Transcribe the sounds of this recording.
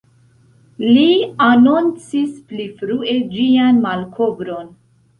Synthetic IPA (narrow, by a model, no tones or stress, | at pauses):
lianont͡sisplifɾue̞d͡ʒianmalkʰobɾo̞n